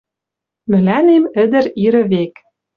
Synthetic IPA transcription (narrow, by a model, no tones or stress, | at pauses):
mɘ̆lænemɘ̆d̪ɘ̆ɾiɾɘ̆βek